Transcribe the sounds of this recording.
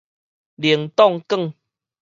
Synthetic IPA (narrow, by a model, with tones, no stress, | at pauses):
li˨˩əŋt̪ɔ˥˧ŋkə˥˨ŋ